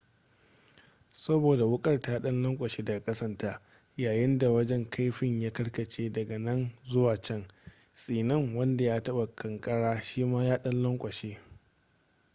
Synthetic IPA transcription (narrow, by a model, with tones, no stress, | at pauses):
sɐ˦boː˨da˨wʊ˦kʼɐ˦rtaː˦ɗɐ˦nlɐ˦ŋkʷʼɐ˨ʃeː˦dɐ˨ɡa˨kʼɐ˦sɐ˦ntaː˦ | jaː˨jɪ˦nda˨wɐ˦d͡ʒɛ˦ŋkʰa˦jɸɪ˦ɲjaː˦kɐ˦ɽkɐ˨t͡ʃeː˦dɐ˨ɡɐ˨nɐ˦nzʊ˦waː˨t͡ʃɛ˦ŋ | sʼiː˨nɐ˦ŋwɐ˦nda˨jaː˦tɐ˦ɓa˨kʰɐ˨ŋkʼɐ˦ɽaː˦ʃiː˦maː˦jaː˦ɗɐ˦nlɔ˦ŋkʷʼɐ˨ʃeː˦